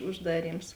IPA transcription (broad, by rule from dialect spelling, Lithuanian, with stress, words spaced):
ʊʒˈdɑːˌrʲiːms